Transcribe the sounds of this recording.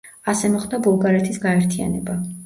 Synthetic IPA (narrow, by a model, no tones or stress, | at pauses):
asɛmɔχd̪abulˠɡʼaɾɛt̪ʰisɡaɛɾt̪ʰia̰nɛba